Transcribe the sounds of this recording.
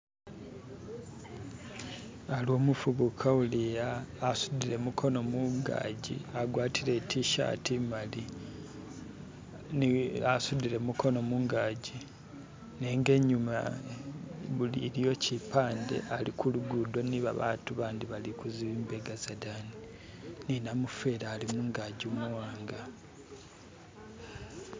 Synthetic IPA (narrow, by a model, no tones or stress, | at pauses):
alo̞ːmufuβukʰaulijaːsudile̞mukʰo̞no̞muŋɡa̰ːɟḭaɡwaːtʰile̞tiʃa̰ːtimali | nasudiɾemukʰo̞no̞muːŋɡaːɟi | neːŋɡe̞ɲuma̰ | βuliɾijo̞cipaːnde̞̰ʔalikuluɡudo̞niβa̰βa̰tuβaːndiβalikuziβimbeɡazadani | ninamufe̞ɾaːlimuːŋɡaːɟumuwaːŋɡa